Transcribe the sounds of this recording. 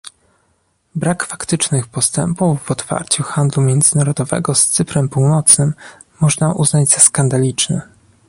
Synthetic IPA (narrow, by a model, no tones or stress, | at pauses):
bɾakfakt̪ɘt͡ʂnɘxpɔst̪ɛ̰mpuvːɔt̪fa̰ɾt͡ɕuxand̪lumʲjɛnd̪zɘnaɾɔd̪ɔvɛ̰ɡɔst̪sɘpɾɛmpuwnɔt̪snɘmː | ɔʐnaʔṵznad͡ʑz̥askand̪alʲit͡ʂnɛ̰